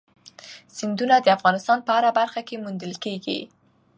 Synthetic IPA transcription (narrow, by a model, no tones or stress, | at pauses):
z̥ɪnd̪unad̪əafɣɑnɪst̪ɑnpəaɾabaɾxakemund̪əlkeɡḭ